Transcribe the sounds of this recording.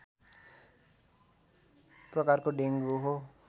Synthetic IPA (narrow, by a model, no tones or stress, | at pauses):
prɔkarkoɖeŋɡoɦo